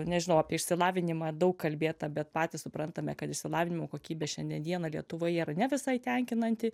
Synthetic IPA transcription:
nʲɛʒʲɪnɐʊɑːpʲiɛɪʃʲsʲɪlˠɑːʋʲɪnʲɪmɑːd̪ɐʊkkkɐlʲbʲeːt̪ɐbʲɛt̪̚pɑːt̪ʲɪssʊpɾɐnt̪ɐmʲɛkɐt̪ɪʃsʲɪlˠɑːʋʲɪnʲɪmoːkoːkʲiːbʲeːʃʲɛnʲd̪ʲiɛnd̪ʲiɛnɐlʲiɛt̪ʊʋoːjiːɾɐnʲɛʋʲɪsɐɪt̪ʲɛŋʲkʲɪnɐnʲt̪ʲɪ

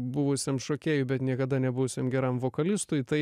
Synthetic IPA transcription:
bʊʋʊsʲemʃoːkʲeːjʊbʲɛt̪nʲiɛkɐd̪ɐnʲɛbʊʋʊsʲemɡʲɛɾɐmʋoːkɐlʲɪst̪ʊɪt̪ɐɪ

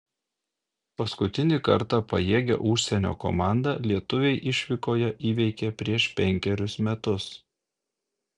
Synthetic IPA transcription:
pɐskʊt̪ʲɪnʲɪkɐ̰ɾt̪ɑpɐjeːɡʲɛ̰ʔʊʃʲsʲɛnʲo̰ːko̰mɑˑnd̪ɐlʲiɛt̪ʊʋʲɛɪʔɪʃʲʋʲɪkoːjɛʔiːʋʲɛɪkʲɛpʲɾʲiɛʃpʲɛŋʲkʲɛɾʲʊsmʲɛt̪ʊs

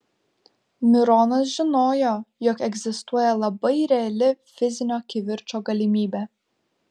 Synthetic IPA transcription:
mʲɪɾɔːnɐsʒʲɪnoːjoːjɔkɛɡʲzʲɪst̪uɔjɛlˠɐbɐɪɾʲɛɐlʲɪfʲɪzʲɪnʲoːkʲiʋʲɪɾʲt͡ʃoːɡɐlʲimʲiːbʲɛ

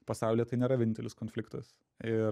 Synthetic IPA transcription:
pɐsɑˑʊlʲiɛt̪ɐɪnʲeːɾɐʋʲɪnʲɪnt̪ʲɛlʲɪskoːnʲfʲlʲɪkt̪ɐs | ɪ

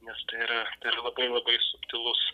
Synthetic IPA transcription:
nʲɛst̪ɐɪɪɾɐt̪ɐɪɾɐlˠɐbɐɪlˠɐbɐɪsʊpʲt̪ʲɪlˠʊs

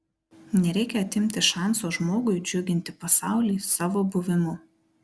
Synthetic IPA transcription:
nʲɛɾʲɛɪkʲɛɐt̪ʲɪmʲt̪ʲɪʃɑˑnsoːʒmoːɡʊɪd͡ʒʲʊɡʲɪnʲt̪ʲɪpɐsɑˑʊlʲiːsɑːʋoːbʊʋʲɪmʊ

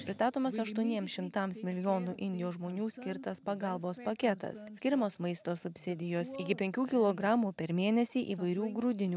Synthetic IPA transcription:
pʲɾʲɪst̪ɑːt̪oːmɐsɐʃt̪uɔnʲiɛmsʃʲɪmt̪ɐmsmʲɪlʲɪjoːnuːʔɪnʲd̪ʲɪjoːsʒmoːnʲuːsʲkʲɪɾt̪ɐspɐɡɐˑlˠboːspɐkʲɛt̪ɐ̰ssʲkʲɪɾʲɛmoːsmɐɪst̪oːsʊpʲsʲɪd̪ʲɪjoːsɪkʲɪpʲɛŋʲkʲuːkʲɪlˠoːɡɾɑːmuːpʲɛɾmʲeːnʲɛsʲiːʔiːʋɐɪɾʲuːɡɾʊd̪ʲɪnʲuː

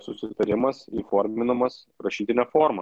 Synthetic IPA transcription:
sʊsʲɪt̪ɐɾʲɪmɐsiːfoːɾʲmʲɪnɐmɐs | ɾɐʃʲiːt̪ʲɪnʲɛfoɾmɐ

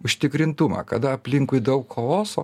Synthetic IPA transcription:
ʊʃʲt̪ʲɪkɾʲɪnt̪ʊmɐ̰ːkɐd̪ɐɐpʲlʲɪŋkʊɪd̪ɐʊkkoloːsoː

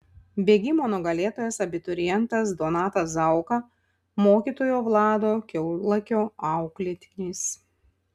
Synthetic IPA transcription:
bʲeːɡʲɪmoːnɔɡɐlʲeːt̪oːjɛsɐbʲɪt̪ɔɾʲɪjɛnt̪ɐs̬d̪oːnɑːt̪ɐsɐˑʊkɐ | moːkʲiːt̪oːjoːʋlˠɑːd̪oːkʲɛʊlˠɐkʲoːɑˑʊklʲɪt̪ʲɪnʲiːs

